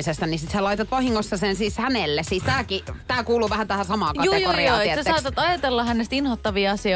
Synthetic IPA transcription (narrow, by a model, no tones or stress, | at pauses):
isest̪ænisit̪helɑit̪ɑt̪ʋɑhiŋːosːɑsensiːshænelːessiːst̪æːkit̪æːkuːluːʋæhænt̪æhæsɑmɑːkjɑjuːejkuoːrjiɑːiesesɑːt̪ɑt̪ɑjɑt̪elːɑhænːest̪inhot̪ːɑʋiɑɑsio